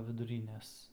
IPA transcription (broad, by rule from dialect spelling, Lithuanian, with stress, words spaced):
ʋʲɪdʊˈrʲiːnʲɛs